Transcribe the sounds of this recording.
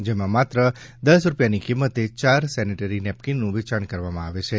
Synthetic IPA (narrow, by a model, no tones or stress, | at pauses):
d͡ʒemãmat̪ɾə | d̪əsɾupjanikimːət̪et͡ʃaɾsɛniʈəɾinɛp̚kinːũʋit͡ʃaɳkəɾʋamãaʋet͡ʃʰe